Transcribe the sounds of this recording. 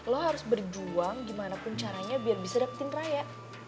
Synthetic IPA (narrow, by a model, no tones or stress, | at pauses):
lɔɦaɾʊsbərd͡ʒuaŋɡimanapʊnt͡ʃaɾaɲabiarbisadapət̪ɪnrajaʔ